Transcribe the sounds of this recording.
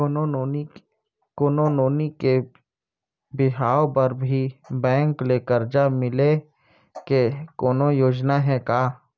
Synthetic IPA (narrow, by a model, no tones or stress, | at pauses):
koːnonoːnike | bɪɦaːopɐɾbʱibɛ̃ːŋkleːkəɾd͡ʒamɪle | kekoːnojoːd͡ʒnaɦɛkaː